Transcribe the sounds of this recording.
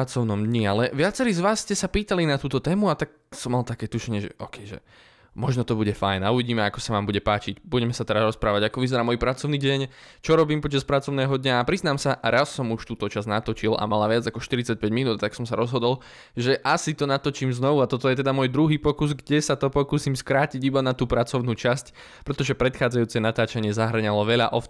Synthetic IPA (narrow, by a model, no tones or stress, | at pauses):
at͡sɔʊnɔmd̪ɲialɛʋɪat͡sɛɾiːzʋaːsscɛsapiːt̪alinat̪uːt̪ɔt̪ɛːmuat̪ak̚ | sɔmːalt̪akɛːt̪uʃɛɲɪɛʒɛ̰ʔɔkɛjʒɛ̰ | mɔʒnɔt̪ɔbuɟɛfajnauʋiɟiːmɛakɔ̥saʋaːmbuɟɛpaːt͡ʃiɟbuɟɛmɛsat̪ɛɾaɾɔspɾaːʋaɟakɔʋizɛɾaːmɔjpɾat͡sɔʊniːɟɛɲt͡ʃɔɾɔbiːmpɔt͡ʃaspɾat͡sɔʊnɛːɦɔd̪ɲaːpɾiznaːmsaʔɾasːɔmuʃt̪uːt̪ɔt͡ʃaznat̪ɔt͡ʃila̰malaʋɪad͡zakɔʃt̪iɾit͡sac̚pɛɟminuːt̪t̪aksɔmsaɾɔzɦɔd̪ɔl | ʒɛʔasit̪ɔnat̪ɔt͡ʃiːmznɔʋuat̪ɔt̪ɔjɛt̪ɛd̪amɔjd̪ɾuɦiːpɔkuzɡɟɛsat̪ɔpɔkuːsiːmskɾaːciɟibanat̪uːpɾat͡sɔʊnuːt͡ʃasc | pɾɛt̪ɔʒɛpɾɛt̪xaːd͡zajuːt͡sɛnat̪aːt͡ʃaɲɪɛzaɦr̩ɲalɔʋɛʎa̰ʔɔf